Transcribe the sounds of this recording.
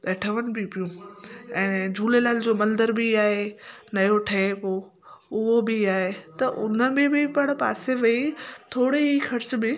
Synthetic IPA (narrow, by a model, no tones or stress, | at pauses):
ɐʈʰəʋənɪ̆bʱɪpijũɛ̃ːd͡ʑuːlelaːld͡ʑoːmɐld̪əɾbɪaːɦe | nɐjoʈʰɐepoː | ʊɦobɪaːɦet̪ɐʔʊnə̆bɪ̃bɪpɐɽ̃pa̰ːseʋɐit̪ʰoːɽeɦixɐɾs̆mẽ